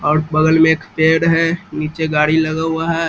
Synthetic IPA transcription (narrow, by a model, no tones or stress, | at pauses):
ɔːɾbəɡəlmẽeːkpeːɽɦɛniːt͡ʃeɡaːɽiləɡəɦʊaɦɛ